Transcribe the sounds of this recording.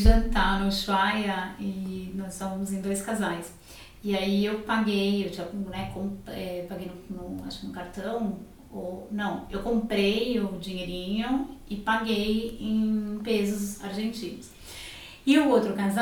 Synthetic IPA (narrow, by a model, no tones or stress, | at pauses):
ʒɐ̃nt̪anʊʃajɐɪnɔssõmɐ̃mʊzẽd̪ojskazajs | ɪaiewpaɡejewt͡ʃiɐknɛkõɛpaɡejnʊnʊa̰ʃkɪnʊkaɾt̪ɐ̃w̃ | onɐ̃w̃ewkõmpɾejʊd͡ʒiɲeɾĩɲʊɪpaɡejẽpezʊzaɾʒẽnt͡ʃĩnʊs | ɪʊowt̪ɾʊkaza